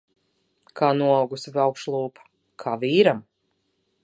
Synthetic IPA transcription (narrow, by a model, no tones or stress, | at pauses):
kʰaːnuɔawɡusivawkʃlˠuːpḁ | kʰaːviːɾam